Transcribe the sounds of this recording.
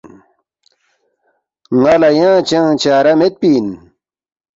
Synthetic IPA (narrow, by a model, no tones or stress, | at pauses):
ŋalajãːt͡ɕãt͡ɕaːɾamet̪̚piːn